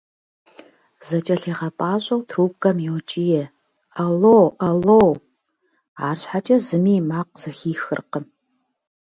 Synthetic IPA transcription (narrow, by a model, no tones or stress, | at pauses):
z̥ɐt͡ʃʼɐɬiːʁɐpʼaːɕʼɐwtʰruːp̚kʼɐmjowt͡ʃʼijɛ | ɐlowʔɐlow | aːrɕħat͡ʃʼɐzɨmiːmaːq̚z̥ɐxiːxɨ̰rqə